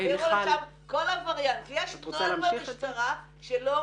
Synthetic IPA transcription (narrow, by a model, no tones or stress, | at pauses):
ʁolʃamkolavaʁjankijɛʃoalːvaiʃt̪aʁa | ʃelo